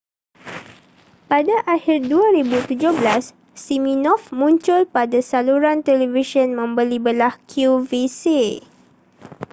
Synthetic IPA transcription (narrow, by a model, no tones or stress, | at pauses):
padaʔahirduaɾibut̪ud͡ʒʊhblasː | imĩnɔfmũɲt͡ʃʊlpadasaluɾant̪ɛliviʃənmə̃mbəlibəlahkʰjuvise